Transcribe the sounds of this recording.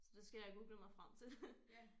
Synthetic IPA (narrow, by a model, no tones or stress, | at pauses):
sɒ̽d̥esɡ̥æjɑ̈ɡ̥uːɡ̥ləmɑ̈ɪfʁäm̰t͡sʰe̝l